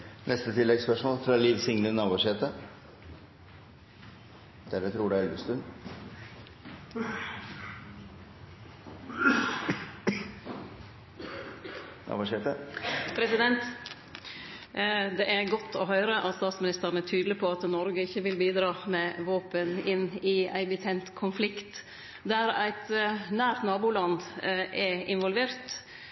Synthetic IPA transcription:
nʔɛst̪ət̪ʰɪlːɛɡspœʂmoːlfɾɑliːʋsɪŋnənɑːbɔʂeːt̪ə | d̪̥æɾət̪ʰɾuːɖʉɛlʋəst̪ʉn | nɑ̰ːbʂeːt̪əpʰɾɛsɪd̪ɛnt̪ | d̪ɛʔæɾɡɔt̪ːɔɦœʏɾəʔɑt̪st̪ɑːt̪smɪnɪst̪əɾənæt̪ʰyːd̪lɪpʰɔɑt̪nɔɾɡəɪçːəʋɪlbiːd̪ɾɑːmɛːʋoːpənɪnɪæ̰ɪbɪt̪ʰɛnt̪kʰʊnflɪkt̪ | d̪æɾæ̰ɪt̪næːɾt̪nɑːbuːlɑnd̪ʔɛɪnʋɔlʋeːɾt̪

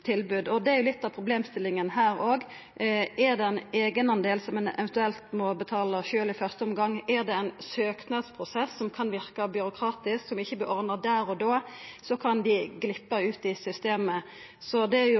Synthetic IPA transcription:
t̪ʰɪlbʉːd̪ɔd̪ɛæɾjʊlɪt̪ːɑpʰɾʊbleːmst̪ɪlːɪŋənɦæːɾoːɡ | ʔæʁd̪ɛɛneːɡənɑnd̪eːlsɔmɛnɛ̰ʋɛnt̪ʉɛlt̪mɔbət̪ʰɑːləʃøːlɪfœʁst̪əɔmɡɑŋːæʁd̪ɛɛnsøːknɑd̪spʰʁʊsɛsːɔmkʰɑnʋɪɾkəbʏɾʊkʰɾɑːt̪ɪsksɔmɪçːəblɪʔɔɾd̪əd̪æːɾɔd̪oːsɔkʰɑnd̪ɪɡlɪpːəʉːt̪ɪsʏst̪eːmə | sɔd̪ɛæjʊ

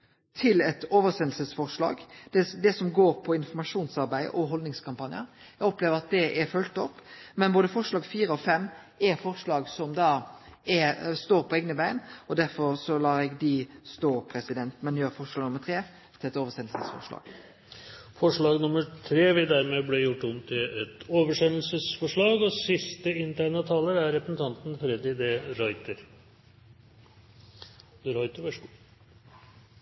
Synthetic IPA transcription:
t̪ʰɪlɛt̪oːʋəsɛnl̩səsfɔʁʂɭɑ̰ːɡd̪ɛd̪ɛsɔmɡoːɾpʰɔɪnfɔmɑʂuːnsɑɾbæɪd̪ə̰ʔɔɦɔld̪nɪŋskʰɑmpɑnɪə̰ɾ | ɛɡɔpleːʋəɾɑt̪̚d̪ɛʔɛfœlt̪ɔpːmɛnboːd̪əfɔʂɭɑːɡfiːɾəɔfɛmː | ɛɾfɔʁʂlɑːɡsɔmd̪ɑːɛɾst̪oːɾpʰɔɛɡnəbæɪnɔd̪æɾfɔɾsɔlɑːɾɛɡd̪ɪst̪oːpʰɾɛsɪd̪ɛnt̪mɛnjøːɾfɔʂɭɑːɡnʊmːəɾt̪ʰeː | t̪ʰɪlɛt̪oːʋəsɛnlsəsfɔ̰ʂlɑ̰ːɡ̥ | fɔʂɭɑːɡnʊməɾt̪ʰɾeːʋɪd̪æɾmɛblɛjʊʈːʊmt̪ʰɪlɛt̪oːʋəʂɛnl̩səsfɔʂɭɑːɡɔsɪst̪əɪnt̪ʰæɳɑt̪ʰɑːləɾæɾɾɛpɾəsən̩t̪ʰɑnt̪n̩fɾɛd̪ɪd̪ɛɾɑɪt̪əɾ | d̪əɾɑɪt̪əʋɛʂ

